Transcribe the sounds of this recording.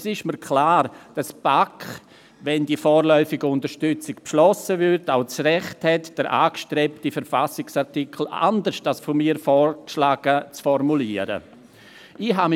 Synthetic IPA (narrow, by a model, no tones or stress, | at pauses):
sɪʃməɾkʰlaːɾd̥asb̥akχ | ʋɛndifɔːɾlɔʏfɪɡəʊntəɾʃtʏt͡sɪkpʃlɔsəvʏɾtaʊt͡srɛχthɛtd̥əɾʔa̰ːkʃtɾɛptifəɾfasɪksaʁtikʰl̩a̰ndəʃtasfomiːɾfɔːɾkʃlaːɡ̥ət͡sfɔrmuliːəɾə̰ | iɦam